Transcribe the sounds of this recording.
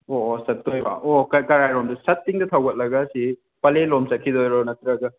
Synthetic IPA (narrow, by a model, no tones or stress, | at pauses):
osɐtːojba̰ʔokɐkɐɾajɾomdusɐtːiŋdɐt̪ʰɐwɡɐt̚lɐɡɐsi | pɐlelomsɐkʰːidojɾɔnɐt̪ɾɐɡɐ